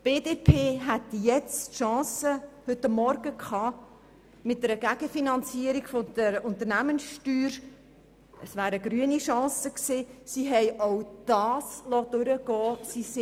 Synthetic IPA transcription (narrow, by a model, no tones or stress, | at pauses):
b̥eːdeːpʰeːɦɛt̪jɛt͡stʃɑ̃ːsəhʏtɑmːɔɾɡ̥əkʰɑː | mɪt̚dɛɾəɡæɡ̥əfinɑnt͡siəɾiɡ̥fod̥̪əɾʊnt̪əɾnæmənsʃtyːɾ | əsvæːɾəɡ̥ɾyəniʃɑ̃ːsəksiːsiɦɛɪʔɔwd̥ɑːslɔd̥ʊɾəɡ̥ɔːsisɪ